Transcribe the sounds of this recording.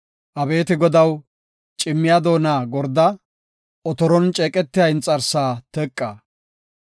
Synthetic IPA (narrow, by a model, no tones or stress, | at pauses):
ʔɐbe̞ːt̪ɪɡɔd̪ɐw | t͡ʃʼɪmːɪjaːd̪o̞ːnaːɡɔɾd̪ɐ | ɔt̪ɔɾɔnt͡ʃʼɛːkʼɛt̪ːɪjɐjɪnt͡sʼɐɾsaːt̪ɛkʼːaː